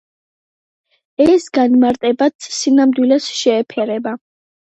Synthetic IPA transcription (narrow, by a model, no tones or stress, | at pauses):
ɛsɡanmaɾt̪ʼɛbat̪sinamd̪wilɛsʃɛːpʰɛɾɛba